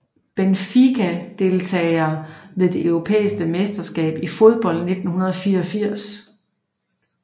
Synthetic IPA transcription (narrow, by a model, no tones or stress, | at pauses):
b̥enfikʰæd̥e̝lt͡sʰɛːɪɐːʋe̝ðˠd̥e̝ʔøʊʁo̝pʰḛːisɡ̥əmesd̥ɐsɡ̥ɛ̰ːb̥ifo̝ð̞ˠb̥ɒ̽l̰d̥ne̝d̥n̩hunɐð̞ˠfiːɐɒfiɐ̰s